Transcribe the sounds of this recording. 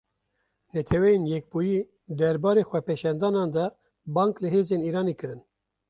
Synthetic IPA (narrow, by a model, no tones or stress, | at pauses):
nɛt̪ʰɛwɛjenjɛk̚buːjiː | d̪ɛɾbɑːɾeːxʷɛpeʃɛnd̪ɑːnɑːnd̪ɛ | bɑːŋklɨɦeːzeːniːɾɑːneːkɨɾɨn